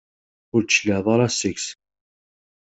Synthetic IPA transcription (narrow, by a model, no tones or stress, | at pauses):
ʊɾt͡ʃːləʕðˤɑɾˤɑsɪks